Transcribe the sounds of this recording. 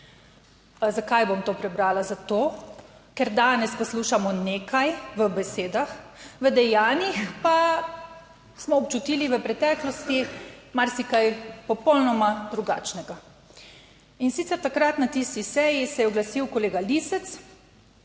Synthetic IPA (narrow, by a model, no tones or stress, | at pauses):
zakajbomt̪oːpɾɛbɾaːlazat̪oːkɛɾd̪aːnɛspɔsluːʃamɔneːkajʋəbɛseːd̪axʋəd̪ɛjaːnixpa | smɔːpt͡ʃut̪iːliʋəpɾɛt̪ɛːklɔst̪imaɾsikajpɔpɔlnɔmad̪ɾuɡa̰ːt͡ʃnɛɡa | insit̪sɛɾt̪akɾat̪nat̪ist̪isɛjisɛjɛɔɡlasiwkɔleːɡalisɛt̪s